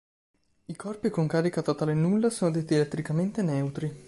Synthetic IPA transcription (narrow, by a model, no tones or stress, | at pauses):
ikɔrpikoŋkaːɾikat̪at̪ːalenːulːasoːnod̪et̪ːielɛt̪ːɾikament̪enɛwt̪ɾi